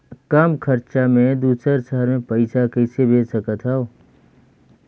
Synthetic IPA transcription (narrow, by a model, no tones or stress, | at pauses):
kəmkʰəɾt͡ʃamẽd̪uːsəɾsəɦəɾmẽpɐɪsakɛːsebʱeːsəkət̪ʰɦɛo